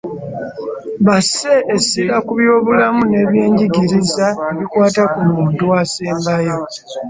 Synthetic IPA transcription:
βase̞ʔːsiɾakuβjo̞ːβulamune̞ːβje̞ːɲɟiɟiɾizaeβikwaːtakuluːnduaseːmbajo

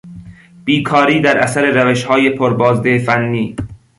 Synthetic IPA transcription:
b̥iːkʰɒːɾiːd̪æɾʔæ̰sæɾe̞ɾæveʃhɒːjepʰoɾbɒːzd̪efænːiː

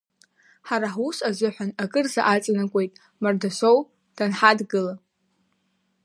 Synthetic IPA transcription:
ħaɾaħusazʷɨħʷᶣanakʼɨrza̰ʔat͡sʼnakʷʼe̞jtʼ | mardasʷow | d̥anħadɡɨla

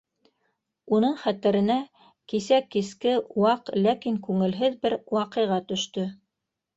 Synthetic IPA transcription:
unɤɴχæt̪ɘ̆ɾɘ̆næ | kisækːiskɘwɑqlækiŋkʉŋɘ̆lɦɘðbɘɾwɑqɤ̆jʁɑt̪ɵ̆ʃt̪ɵ

